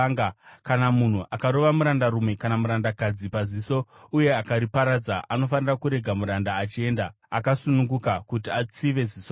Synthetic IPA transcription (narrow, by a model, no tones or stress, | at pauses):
akanamun̤uʔakaɾo̞ʋamuɾandaɾumwe̞kanamuɾandakad͡zipaziso̞ | uje̞akaɾipaɾad͡zaʔano̞fanirakuɾe̞ɡʱamuɾandaːt͡ʃie̞ːnda | akasunuŋɡukakutiat͡siʋe̞ziso